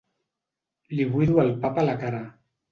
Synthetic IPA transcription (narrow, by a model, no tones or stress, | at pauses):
liβujðualpapalakaɾa